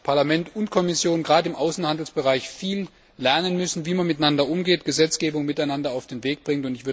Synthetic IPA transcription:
pʰaɐlamɛntʊntkʰɔmɪsjoːnɡʁaːdəɪmʔaʊsn̩handl̩sb̥əʁaɪçfiːlː | ɛɐnənmʏsn̩viːmanmɪtnandɐʔʊmɡeːtɡ̥əzɛt͡sɡ̥eːbʊŋmɪtaɪnandɐaʊfd̥eːnveːk̚b̥ʁɪŋtʊntɪçv̥ʏɐ

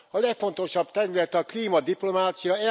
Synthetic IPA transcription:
ɒlɛkfo̞n̪t̪o̞ʃɒb̥̚t̪ɛɾylɛt̪ɒkliːmɒd̪iplo̞maːt̪sijɒɛ

